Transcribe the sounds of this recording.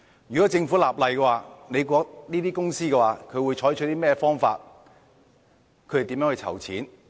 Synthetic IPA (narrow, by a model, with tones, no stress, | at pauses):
jyː˨˩kɔ˨˥t͡sɪ˧ŋfuː˨˥laː˨˩p̚lɐ˨jkɛ˧waː˨˧ne˨˧jk̬ʷɔː˧k̚niː˥t̪iː˥kʊ˥ŋsiː˥kɛ˧waː˨˧kʰɵ˨˧ɥwu˨˧jt͡ʃʰɔː˨˥jt͡ʃ̚ʰt̪iː˥mɛː˥fɔː˥ŋfa̰ː˧t̚ | kʰt̪e˨t̪ːmjœː˨˥hɐ˧jt͡sʰɐ̰˨˩wt͡sʰiː˨˥n